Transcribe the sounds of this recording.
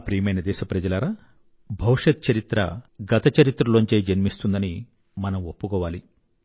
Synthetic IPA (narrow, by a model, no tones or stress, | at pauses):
pɾiːmɐjnɐd̪ɛːʃɐpɾɐd͡ʒɐlaːɾaː | bʱɐwʂɐt̪̚t͡ʃɐɾit̪ɾɐ̰ɡɐt̪ɐt͡ʃɐɾit̪ɾɐloɲt͡ʃeːd͡ʒɐnmist̪und̪ɐni | mɐnɐmopːukɔːʋaːli